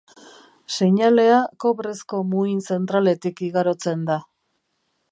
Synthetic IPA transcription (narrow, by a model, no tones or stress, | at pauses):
seɲale̞ako̞βɾe̞sko̞muinse̞nt̪ɾale̞t̪ikiɣaɾo̞t͡se̞nd̪a